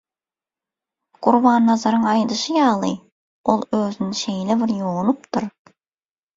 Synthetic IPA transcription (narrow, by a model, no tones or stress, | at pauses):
qʊɾβɑːnːɑzɑɾəɴɑjd̪ɯʃɯjɑːlˠɯ̰j | olˠøzɪnɪʃejlɪβɪɾjonupt̪ʊɾ